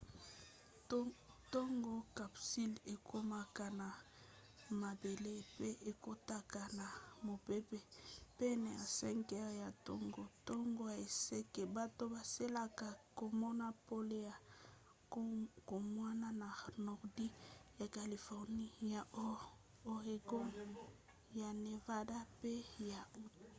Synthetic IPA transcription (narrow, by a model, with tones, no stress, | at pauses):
tɔ˦ŋɡo˦ka˨psi˦le˨kʰo˦ma˨ka˨na˨ | ma˨be˨le˦pe˦ʔe˨ko˦ta˦ka˨na˨mo˨pe˦pe˦pɛ˦ne˨ja̰˨sɛ˦ŋkɛ˦ʁja˨to̰˦ŋɡo˨tɔ˦ŋɡo˦˨e˨se˦ke˨ba˦to˦ba˨se˦la˨ka˨ko˨mɔ˦na˦po˦le˦a˨ | ko˨mwa˦na˦na˨nɔ˨ʁdi˦ja˨ka˨li˨fɔ˨ʁni˦ja˨ | o˨ʁe˨ɡo˦ | ja˨ne˨va˦da˦pe˦ja˨˦